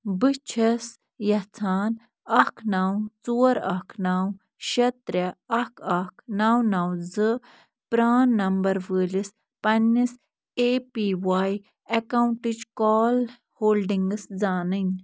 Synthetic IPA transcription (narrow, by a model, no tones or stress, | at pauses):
bɨt͡ʃʰɐs | jɐt͡sʰaːn | ɐkʰnaːwt͡suːɐɾɐkʰnaːw | ʃɐt̪ɾʲɐɐkʰɐkʰnaːwnaːw̃zɨ | pɾaːnːɐmbɐɾʋəːlis | pɐnːis | eːpiːwaːj | ɐkaːwuɳʈid͡ʒkɔːl | hoːlɖiŋɡɨsd͡zaːnɨnʲ